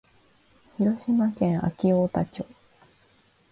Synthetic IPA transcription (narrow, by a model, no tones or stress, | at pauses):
çiɾo̞ɕimakẽ̞ɰ̃a̰kʲioːt̪at͡ɕoː